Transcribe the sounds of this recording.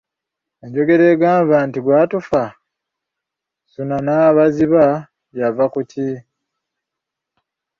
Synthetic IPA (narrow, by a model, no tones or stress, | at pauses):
eɲɟo̞ɡe̞ɾe̞ːɡaːmvantiɡwaːtufa | sunanaβaziβa | javakuci